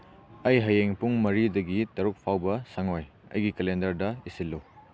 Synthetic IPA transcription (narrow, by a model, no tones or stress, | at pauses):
ɐjɦɐjeŋpuŋmɐɾidɐɡitɐɾuk̚pʰawbɐsɐŋoj | ɐ̰jɡikelendɐɾdɐisilːuw